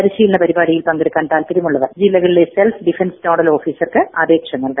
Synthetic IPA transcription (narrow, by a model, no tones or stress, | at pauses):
ɐɾiɕiːlɐnɐpɐɾibaːɽijilpɐŋɡɐɽikʲːaːnt̪aːlt̪ɐɾjɐmuɭːɐðɐrd͡ʑilːɐɣɐɭileselfɖifɐnstoːɽɐlo̞ːfiːsɐrkɨɐbeːkʂɐŋːɐɭkɐ